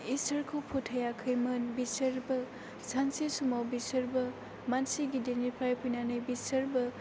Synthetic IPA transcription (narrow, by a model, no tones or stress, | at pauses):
isɐɾkʰopʰutʰɐjakʰɯjmɯnbisɐɾbɐ | sansisumawbisɐɾbɐ | mansiɡidenipʰajpʰujnanɯjbisɐɾbɐ